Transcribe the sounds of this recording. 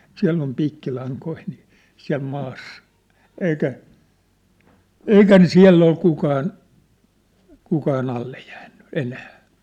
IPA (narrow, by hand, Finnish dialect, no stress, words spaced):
siælː om piːkːilɑŋkoi niː siæ̝l mɑːsːɑ̥ eikæ eikæ ne siæ̝lː ol kukɑːn kukɑːn ɑlːe jæːnːy enæː